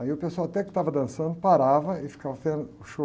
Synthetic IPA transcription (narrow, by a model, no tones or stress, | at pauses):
aiʊpeswawat̪ɛkɪ̥t̪avɐd̪ɐ̃sɐ̃nd̪ʊʊpaɾavɐɪfi̥kavɐfẽʊʃo